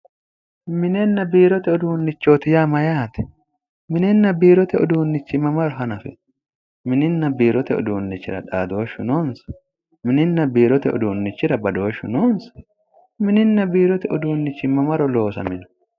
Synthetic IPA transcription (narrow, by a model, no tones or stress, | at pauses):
mɪnɛnːɐbiːɾɔt̪ɛɔd̪uːnːɪt͡ʃːoːt̪ɪjamɐjaːt̪ɛ̥ | mɪnɛnːɐbiːɾɔt̪ɛʔɔd̪uːnːɪt͡ʃːɪmɐmɐɾɔɦɐnɐfɪ̰ | mɪnɪnːɐbiːɾɔt̪ɛɔ̰d̪uːnːɪt͡ʃːɪ̰ɾɐ̰ᶑaːd̪o̞ːʃːʊnoːnsɐ̥ | mɪnɪnːɐbiːɾɔt̪ɛɔ̰d̪uːnːɪt͡ʃːɪɾɐbɐd̪o̞ːʃʊ̰noːnsɐ̥ | mɪnɪnːɐbiːɾɔt̪ɛɔd̪uːnːɪt͡ʃːɪmɐmɐɾɔlo̞ːsɐ̰mɪnʊ̥